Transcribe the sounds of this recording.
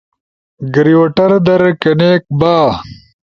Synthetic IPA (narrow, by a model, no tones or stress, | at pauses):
ɡɾiwoʈɐɾd̪ɐɾkeneːk̚baː